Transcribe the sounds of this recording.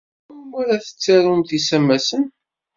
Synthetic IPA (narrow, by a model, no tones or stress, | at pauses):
æɾæθə̥t͡sːaɾumθisæmːæsən